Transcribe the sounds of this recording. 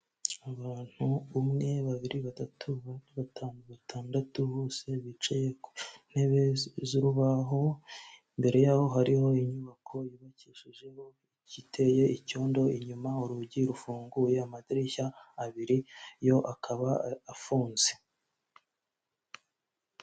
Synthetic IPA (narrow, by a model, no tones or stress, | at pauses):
aβaːn̥huumŋe̞βaβiɾiβatatʰuβatanβatʰaːndatuβoːse̞βit͡ʃejekn̥he̞βe̞zuɾuβaɦo̞ | mbe̞ɾe̞jaho̞ɦaɾiho̞iɲuβakʰo̞jiβaciʃiʒeho̞ | icitʰe̞je̞ico̞ːndo̞iɲumauɾuɟiɾufuːŋɡuje̞amadiɾiçaːβiɾijo̞ʔakʰaβaːfuːnze